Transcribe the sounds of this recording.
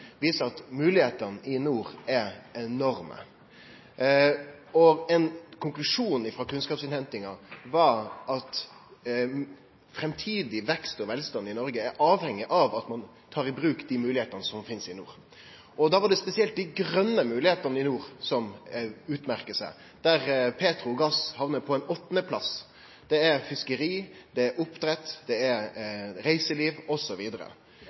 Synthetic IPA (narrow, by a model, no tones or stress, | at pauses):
ʋiːsəɑt̪mʉːlɪheːt̪ənəʔɪnuːɾæɛnɔɾmə̰ | ɔɛnkʰʊŋklʉʂuːn̩ɪfɾoːkʉnskɑːpsɪnhɛnt̪ɪŋɑʋɑɾʔɑt̪ | fɾɛmt̪ʰiːd̪ɪʋɛkst̪ɔʋɛlst̪ɑnːɪnɔɾɡəæɾʔɑːʋhɛŋːɪʔɑʋɑt̪mɑn | t̪ʰɑːɾɪbɾʉːkd̪imʉːlɪheːt̪ənəsɔmfɪnsɪnṵːɾ | ʔɔd̪ɑːʋɑɖɛspɛsɪɛlt̪̚d̪ɪɡɾœnːəmʉːlɪheːt̪ənəɪnuːɾsɔmʉːt̪mæʁkəsæɪ | d̪̥æɾpʰeːt̪ɾʊɔɡɑshɑʋnəpʰɔɛnɔt̪ːnəpʰlɑ̰s | d̪̥ɛæɾfɪskəɾiːd̪ɛæɾʔʊpd̪ɾɛt̪ːd̪̥ɛæɾɾæɪsəliːʋɔsɔʋiːd̪əɾə̰